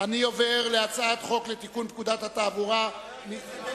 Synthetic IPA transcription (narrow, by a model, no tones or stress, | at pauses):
anio̞veʁleat͡saat̪χo̞klet̪ikunt̪kud̪at̪hat̪aːbuʁa | mi